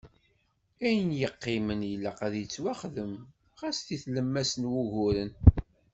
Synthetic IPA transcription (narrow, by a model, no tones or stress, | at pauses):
æjənjəqːɪmənjəlːæqæðjət͡sːwaχðəm | ʁæsθiθləmːæsənwuʝʊɾən